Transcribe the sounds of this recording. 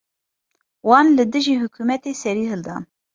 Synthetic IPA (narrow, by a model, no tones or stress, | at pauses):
wɑːnlɨd̪ɨʒiːhʊkʰuːmɛt̪eːsɛɾiːɦɨld̪ɑ̰ː